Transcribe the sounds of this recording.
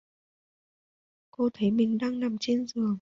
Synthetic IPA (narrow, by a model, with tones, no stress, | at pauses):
ko˧t̪ʰə˨˦jmï˨˩ŋ̟ɗaː˧ŋna˨˩mt͡ɕe˧nzɨ˨˩əŋ